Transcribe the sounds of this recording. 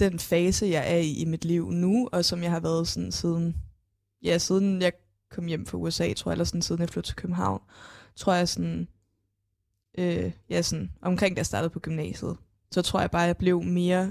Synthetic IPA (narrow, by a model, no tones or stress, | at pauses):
d̥enfɛːsəjɑ̈ɪʔæɐiʔimid̥liʊ̰nuɒ̽sɒ̽mjɑ̈ɪhɑ̈ʋæɐð̞ˠsɔnsiːð̞ˠn̩ | jæsið̞ˠn̩jɑ̈ɪ | kʰɒ̽m̰jem̰fɑuesɛ̰ːt͡sʰo̝ɐ̰ælɐsɔn̩sið̞ˠn̩jɑ̈flo̝ʊ̰t͡sʰe̝l̥kʰøb̥m̩ɦɑ̈ʊ̰nt͡sʰʁo̝ɐ̰jɑ̈ɪsɔn | ʔøjæsɔnʔɒ̽mkʰʁeŋ̰d̥æjsd̥ɑ̈ːd̥ð̩ˠpʰɒ̽ɡ̥ymnɛ̰ːsjð̞̩ˠ | sɒ̽t͡sʰʁo̝ɐjɪbɑ̈ːjɑɪb̥le̝ʊme̝ːɐ